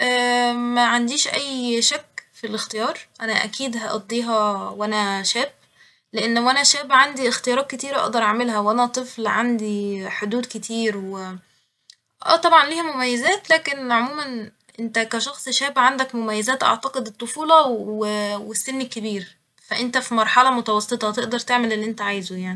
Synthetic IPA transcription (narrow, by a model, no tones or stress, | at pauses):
ʔæːmæʕand̪iːʃʔæjːʃækːfilext̪ejɑːɾˤʔænæʔæ̰kiːd̪hæʔɑ̰d̪ˤːiːɦɑwænæʃæːb | leʔenːæwʔænæʃæːbʕand̪iʔext̪ejɑːɾˤɑːt̪̚ket̪iːɾæʔɑ̰ʔd̪ɑɾˤʔɑaʕmelɦæwʔænæt̪ˤɨflʕand̪iħod̪uːd̪ket̪ʰiːɾwe | ʔæ̰ːt̪ˤɑbʕɑnliːhmomæjːæzæːt̪læːkenʕomuːmæn | ʔent̪ækæʃɑxsˤʃæːbʕand̪ækmomæjːæzæːt̪ʔɑ̰ʕt̪ɑqed̪et̪ˤːofuːlɑwewesːenːekːebiːɾ | fæʔent̪æfimɑɾˤħɑlɑmot̪ɑwɑsˤːet̪ˤɑt̪eʔd̪ɑɾˤt̪eʕmelʔelːiʔent̪æʕaːjzojaʕni